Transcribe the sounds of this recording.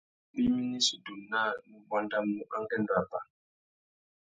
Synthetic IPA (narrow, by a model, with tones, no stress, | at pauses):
ɓi˦mi˦ni˦su˨du˨nna˦nu˦ba˦nda˦mːu˦ʔa˦ŋɡɛ˦n˨ɾa˨ba˨